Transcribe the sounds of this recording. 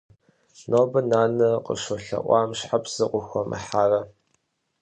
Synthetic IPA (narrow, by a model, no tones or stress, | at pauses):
noːbɐnaːnɐqə̰ʃɔɬɐ̰ʔʷɑːmɕħapʰsɨqʷʊxʷɔmʔɐ̰ħaːrɐ